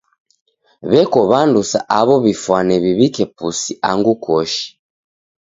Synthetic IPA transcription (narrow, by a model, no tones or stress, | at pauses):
βɛkɔβandusaʔaβɔβifwanɛβiβikɛpusiʔa̰ŋɡukɔʃi̥